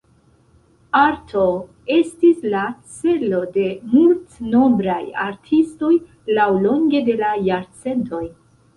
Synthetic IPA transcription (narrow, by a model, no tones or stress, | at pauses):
aɾtʰo̞ | e̞stislat͡se̞lo̞de̞multno̞bɾaja̰ɾtʰisto̞j | lawlo̞ŋɡe̞de̞lajaɾt͡se̞ntʰo̞j